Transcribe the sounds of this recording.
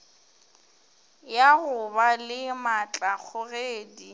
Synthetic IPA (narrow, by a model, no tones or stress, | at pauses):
jaɣʊbalɪmat͡ɬʼak͡xʰʊɣeːdi